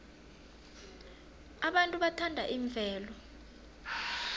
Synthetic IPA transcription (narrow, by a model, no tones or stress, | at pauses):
aɓantʼuɓatʰandʱaʔiɱb̪vʱɛːlɔ